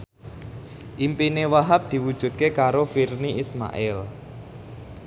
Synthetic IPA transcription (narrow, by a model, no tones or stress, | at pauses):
ʔimpinewaɦap̚d̪̥i̤wud̥ʒ̥ṳd̪̚kekaɾofirniʔisma̰ʔɪl